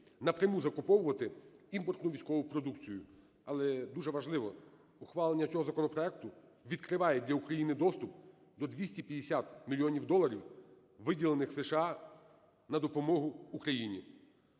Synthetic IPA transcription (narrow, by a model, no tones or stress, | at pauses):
nɐpɾʲɐmuzɐkʊpɔwʊʋɐt̪ɪimpɔrt̪nʊʋʲijsʲkɔʋʊpɾɔd̪ukt͡sʲijʊ | ɐlˠɛd̪uʒɛʋɐʒlˠɪʋɔ | ʊxʋɑlˠenʲːɐt͡sʲɔɦɔzɐkɔnɔpɾɔɛk̚t̪ʊʋʲid̪̚kɾɪʋɑjɛd̪ʲlʲɐukɾɐjinɪd̪ɔst̪ʊp | d̪ɔd̪ʲʋʲisʲtʲipʲjɐd̪esʲat̪mʲilʲijɔnʲiwd̪ɔlˠɐɾʲiw | ʋɪdʲilˠenɪxseʃeɑ | nɐd̪ɔpɔmɔɦʊːkɾɐjinʲi